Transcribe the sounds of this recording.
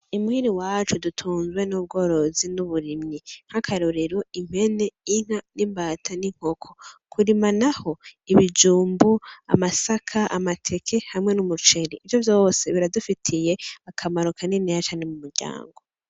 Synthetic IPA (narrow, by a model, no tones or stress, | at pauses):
umuhiɾiwaːt͡ʃudutʰuːnzwe̞nub̚ɡo̞ːɾo̞zinuβuɾimɲiŋ̥akʰaɾuɾiɾoim̥he̞ne̞iŋ̥hanimbaːtʰaniŋ̥hokʰokʰuɾimanaho̞iβid͡ʒuːmbua̰masakʰaʔamatʰe̞kʰe̞haimŋe̞numut͡ʃeɾiʔːvjovjo̞ːseβiɾadufitʰijeakʰamaɾokʰaninejat͡ʃaːnemumuɾɟa̰ːŋɡo̞